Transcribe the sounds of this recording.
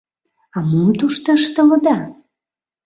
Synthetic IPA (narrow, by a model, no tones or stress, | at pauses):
ɑmumt̪uʃt̪ə̆əʃt̪ə̆lə̆d̪ɑ